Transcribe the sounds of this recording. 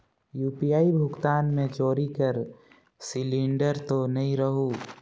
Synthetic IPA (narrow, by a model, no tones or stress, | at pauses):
juːpijaːibʱʊkt̪aːnmẽt͡ʃoːɾikəɾ | sɪlĩɳɖəɾt̪onɐɦĩɾəɦu